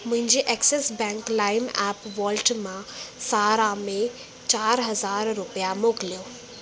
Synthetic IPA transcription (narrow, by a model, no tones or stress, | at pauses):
mʊ̃ɦɪ̃ɲd͡ʑeʔɛksesbɛ̃ːŋklaːɪmɛːpʋɔːlʈmãsaːɾamẽ | t͡ɕaːɾɦɐzaːɾːupjamoːklijoː